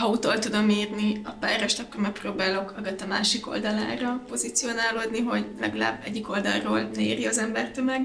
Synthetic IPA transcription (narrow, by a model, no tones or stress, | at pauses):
hɒut̪olt̪ud̪o̞miːrniɒpaːrɛʃt̪ɒkːormɛk̚proːbaːlo̞kɒɡɒt̪ːɒmaːʃiko̰ld̪ɒla̰ːrɒpo̞zit̪sio̞naːloːd̪niɦo̞ɟlɛ̰ɡɒla̰ːbːɛ̰ɟːiko̞ld̪ɒ̰lroːlnɛiːɾiɒzɛmbɛrt̪ømɛɡ